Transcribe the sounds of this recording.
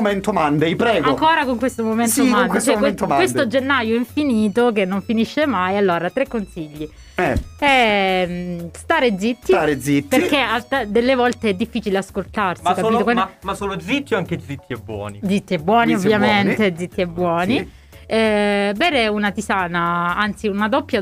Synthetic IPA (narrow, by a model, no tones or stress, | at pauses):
oment̪omand̪ejpɾɛːɡaoŋkoːɾakoŋkwest̪omoment̪omandk̪et͡ʃoɛkwet̪oawest̪od͡ʒenːajoiɱfiniːt̪ok̬enːoɱfiniʃːemajalːoːɾat̪ɾekːonsiʎːi | ɛɛmst̪aːɾed̪zit̪ːiɾezipːerkeat̪ad̪elːevɔlt̪eɛd̪ːifːiːt͡ʃileaskolt̪arsikaiːt̪okamasoːlod̪zit̪ːioaŋked̪zit̪ʰːiɛbwɔ̰ːnid̪zit̪ːiɛbːwɔːniovːjament̪ed̪zit̪ːiɛbːwɔːni | ɛbɛːɾeunat̪isaːnaant̪siunad̪ɔpːja